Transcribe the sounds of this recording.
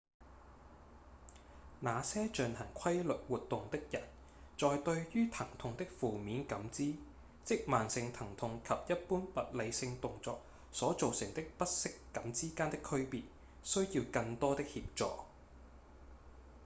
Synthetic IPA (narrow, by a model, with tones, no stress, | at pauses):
naː˨˧sɛː˥t͡ʃɵ˨nhɐ˨˩ŋkʷʰɐ˥jlɵ˨t̚wuː˨t̚t̪ːʊ˨ŋt̪ɪ˥k̚jɐ˨˩n | t͡ʃɔː˨jt̪ɵ˧ɥjyː˥t̪ʰɐ˨˩ŋt̪ʰʊ˨˧ŋt̪ɪ˥k̚fuː˨miː˨˥nkɐ˨˥mt͡siː˥ | t͡sɪ˥k̚maː˨˩nsɪ˨ŋt̪ʰɐ˨˩ŋt̪ʰʊ˧ŋkʰɐ˨p̚jɐ˥t̚puː˥npɐ˨t̚le˨˧jsɪ˧ŋt̪ʊ˨ŋt͡sɔ̰ː˨k̚ | sɔː˨˥t͡so˨wsɪ˨˩ŋt̪ɪ˥k̚pɐ˥t̚sɪ˥kːɐ˨˥mt͡siː˥kaː˥nt̪ɪ˥kʰːɵ˥ɥpiː˨t̚ | sɵ˥ɥjiː˧wkɐ˧ŋt̪ɔː˥t̪ɪ˥k̚hiː˧p̚t͡sɔ̰ː˨